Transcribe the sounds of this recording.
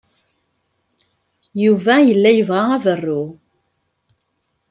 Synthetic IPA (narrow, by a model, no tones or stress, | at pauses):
juvæjəlːæjəvʁaævərːu